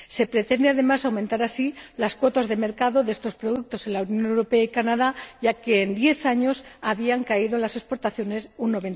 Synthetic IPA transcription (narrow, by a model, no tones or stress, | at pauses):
se̞pɾe̞t̪e̞nd̪e̞aðe̞masawment̪aɾasilaskwo̞t̪azðe̞me̞ɾkaðo̞ðe̞st̪o̞spɾoðuk̚t̪o̞se̞nlaunjo̞ne̞wɾo̞pe̞aikanað̞aʝake̞ːnd̪je̞θaɲo̞saβiaŋkaiðoenlase̞spo̞ɾt̪aθjo̞ne̞sunːo̞βe̞n